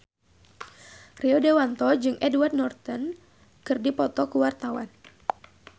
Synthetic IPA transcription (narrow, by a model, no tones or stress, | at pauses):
riɔdewant̪ɔd͡ʒɨŋʔɛduward̪̚nɔrt̪ɔn | kɨrdipɔt̪ɔkuwart̪awan